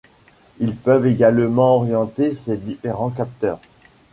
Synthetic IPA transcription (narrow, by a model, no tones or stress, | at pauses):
ilpœveɡalmɑ̃ɔʁjɑ̃t̪esed̪ifeʁɑ̃k̬ap̚t̪œːʁ